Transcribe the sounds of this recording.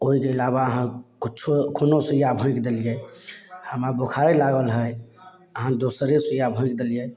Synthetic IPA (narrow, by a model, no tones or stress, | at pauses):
oɦikeːlaβaəɦãkitːt͡ʃʰokʰonosujabʱũkd̪elije | həmɾabʱokʰaɾɛlaɡəlɦəj | əɦãd̪osəɾesujabʱũikd̪elije